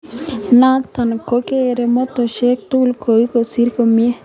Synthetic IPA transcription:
nat̪a˨nkoke˦ɾe˨mo˦t̪o˨ʃe˦k̚t̪ulkʰo˨iko˨si˦ɾkomje˦

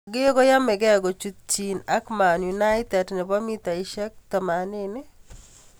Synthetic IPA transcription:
ɡɪ˦ɡo˦ja˦mɪ˨ɡɛ˦ɡo˨t͡ʃu˨t̪̚t͡ʃina˦kma˨nju˨na˦jt̪ɛ˨dnɪ˨bɔ˦mi˦t̪a˨ɪ˦ʃɛ˦k̚t̪ɔ˨ma˨nɪnɪ˦

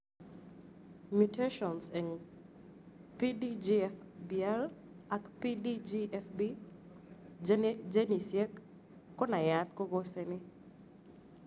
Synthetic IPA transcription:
mjute˦ʃɔ˨nsɛ˨ŋ | pi˦did͡ʒiɛfbiɛ˦l | a˨kpi˦did͡ʒiɛfbi˦ | d͡ʒd͡ʒe˦ni˨sje˦kː | ɔ˦na˨ja˦t̪̚kɔ˦ɡo˦se˨nɪ˦

